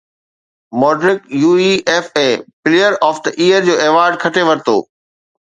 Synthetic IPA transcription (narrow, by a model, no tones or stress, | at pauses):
mɔːɖɾɪkjuːiːeːfɛ̃ːpɪlijəɾɔːfd̪əʔiːəɾd͡ʑoːeːʋaːɾɖ̚kʰɐʈʰeʋɐɾt̪o̰ː